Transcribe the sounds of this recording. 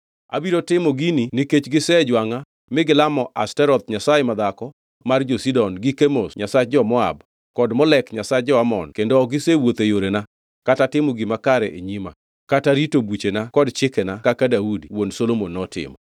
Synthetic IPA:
a̰biɾotɪmɔɡininiket͡ʃɡɪsɛd͡ʒwaŋa | mɪɡɪlamɔʔa̰stɛɾɔt̪̚ɲasajemad̪akɔ | mard͡ʒosidɔnɡikemosɲasad͡ʒɔmɔa̰b | kɔdmɔlɛkɲasad͡ʒɔamɔ̰nkendoɡɪsewot̪ejoɾena | katatɪmɔɡimakaɾɛʔeɲima̰ | kataɾitobut͡ʃenakɔdt͡ʃɪkɛnakakadaudiwonsolomonːɔtɪ̰mɔ

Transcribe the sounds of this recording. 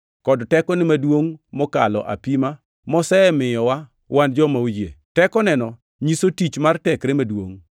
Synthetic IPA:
kɔdtɛkɔnɪmadwoŋmɔkalɔ̰ʔa̰pima | mɔsɛmɪjɔwa | wand͡ʒɔmawd͡ʒjḛtɛkɔnɛnɔ | ɲisotit͡ʃmartɛkɾemadwoŋ

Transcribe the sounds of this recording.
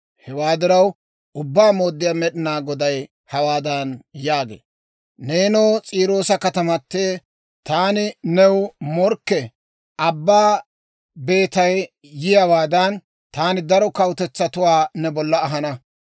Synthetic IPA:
hɛwaːd̪ɪɾɐw | ʔʊbːaːmo̞ːd̪ːɪjaːmɛɗɪnaːɡɔd̪ɐj | hɐwaːd̪ɐnjaːɡḛː | neːnoːt͡sʼiːɾo̞ːsɐkɐt̪ɐmɐtːeː | t̪aːnɪnɛwmɔɾkːɛ | ʔɐbːaː | be̞ːt̪ɐj | jɪjɐwaːd̪ɐn | t̪aːnɪd̪ɐɾɔkɐwt̪ɛt͡sːɐt̪ʊwaːnɛbɔlːɐːɦɐnɐ

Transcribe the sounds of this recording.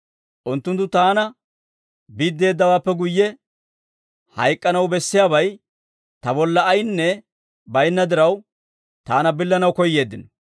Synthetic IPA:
ʔʊnt̪ːʊnt̪ːʊt̪aːnɐ | biːd̪ːe̞ːd̪ːɐwaːpːɛɡʊjːɛ | hɐjkʼːɐnɐwbɛsːɪjaːbɐj | t̪ɐbɔlːɐːjnːɛ | bɐjnːɐd̪ɪɾɐw | t̪aːnɐbɪlːɐnɐwkɔjːe̞ːd̪ːɪnɔ

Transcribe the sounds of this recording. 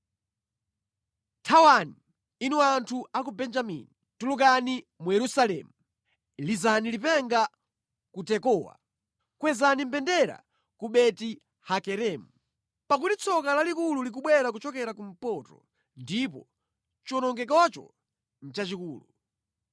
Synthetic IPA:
tʰawani | inuantʰuak̬ubɛnd͡ʒamḭnitulukani | mujɛɾusalɛ̰ːmu | lizanilipɛŋɡa | kutɛkɔːwa̰ | kwɛzanimpɛndɛɾa̰ | kuɓɛti | hakɛɾɛːmu | pak̬utit͡sʰɔkalalikululik̬uɓwɛɾak̬ut͡ʃɔkɛɾakum̩pɔtɔ̰ | ndipɔ | t͡ʃɔnɔŋɡɛk̬at͡ʃɔ̰ | n̩t͡ʃat͡ʃikuːlu

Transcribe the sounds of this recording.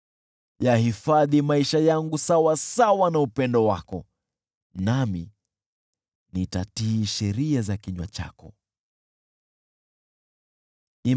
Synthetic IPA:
jahifaðimaiʃajaŋɡusawasawanaupɛndɔwakɔ̰ | nami | nitatiːʃɛɾiazakiɲwa̰t͡ʃa̰kɔ | i

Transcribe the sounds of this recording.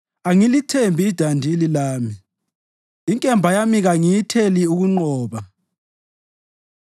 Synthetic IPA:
aŋilitʰembʱiːd̥ʱandʱililaːmi | iŋkʼɛmbʱajamiɣaŋijitʰeliuɣuŋ͡ǃɔːβa

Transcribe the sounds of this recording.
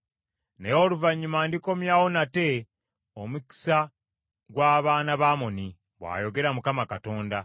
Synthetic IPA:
nejo̞luvaɲːumaːndiko̞mjaːwo̞nate̞ | omuki̥sa | ɡwaːβaːnaβaːmo̞ni | βwa̰ːjo̞ɡe̞ɾamukamakato̞ːnda

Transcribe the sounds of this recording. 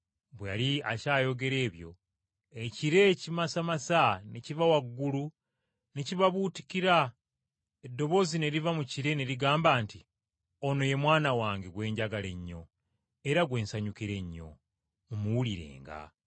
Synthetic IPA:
bwejaliacaːjo̞ɡe̞ɾe̞ːβjo̞̰ | eciɾe̞cimasamasanecivawaɡːulu | necivaβuti̥kiɾa | edːo̞βo̞zine̞ɾivamuciɾe̞neɾiɡaːmbaːnti | ono̞je̞mwaːnawaːŋɡeɡwe̞ːɲɟaɡale̞ɲːo̞̰ | eɾaɡwe̞ːnsaɲukiɾe̞ɲːo̞̰ | mumuwuliɾe̞̰ːŋɡa̰

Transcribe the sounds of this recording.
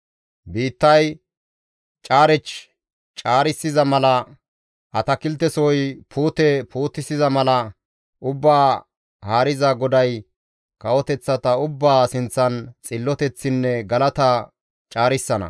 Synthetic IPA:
biːt̪ːɐj | t͡ʃʼaːɾɛt͡ʃ | t͡ʃʼaːɾɪsːɪzɐmɐlɐ | ʔɐt̪ɐkɪlt̪ːɛsɔjpʰuːt̪ɛpʰuːt̪ːɪsɪzɐmɐlɐ | ʔʊbːaː | haːɾɪzɐɡɔd̪ɐj | kɐwɔt̪ɛt͡sːɐt̪ɐʊbːaːsɪnt͡sːɐnt͡sʼɪlːɔt̪ɛt͡sːɪnːɛɡɐlɐt̪ɐ | t͡ʃʼaːɾɪsːɐnɐ̰

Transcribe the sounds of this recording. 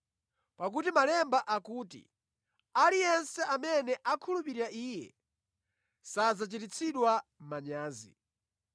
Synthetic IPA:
pak̬utimalɛmbaʔakuːtḭ | alijɛnsɛʔamɛnɛʔakʰulupiɾiɾaiːjɛ̰ | sazat͡ʃitit͡sʰiɗwamaɲaːzi

